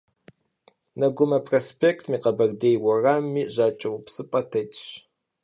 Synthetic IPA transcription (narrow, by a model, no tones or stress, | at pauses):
nɐɡʷʊmɐpʰroːspʰeːktʰmiːqɐbɐrdejwɐraːmːiːʑaːt͡ʃʼɐwʊpsɨpʼɐtʰɐtʼɕ